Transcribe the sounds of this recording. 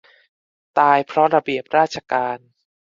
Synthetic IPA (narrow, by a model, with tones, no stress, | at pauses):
t̪aː˧jpʰɾɔ˦˥ɾa˧bi˨˩əp̚ɾaː˥˩t̪̚t͡ɕʰa˧kaː˧n